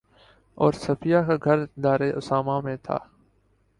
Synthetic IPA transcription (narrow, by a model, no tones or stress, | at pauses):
ɔːɾsəfɪjaːkaɡʱəɾd̪aːɾeːʔʊsaːmaːmẽːt̪ʰa̰ː